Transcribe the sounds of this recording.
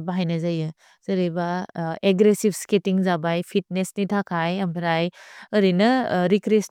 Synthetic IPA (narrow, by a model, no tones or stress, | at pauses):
baɦajnɐzajɯ | z̥ɐɾebaeɡɾesib̚sketiŋzabajpʰit̚nesnitʰakʰajɐmpʰɾajɐɾinɐɾikɾes